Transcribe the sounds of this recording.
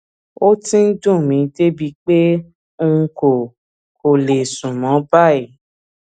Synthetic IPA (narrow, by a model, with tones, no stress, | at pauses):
o˦tĩ˦n̩˦dũ˦˨mĩ˨˧˦de˦bi˧k͡pe˦ | o˦˧ŋ̩˧ko˨ | ko˨le˨sũ˨mɔ̃˨˦ba˦˨e˨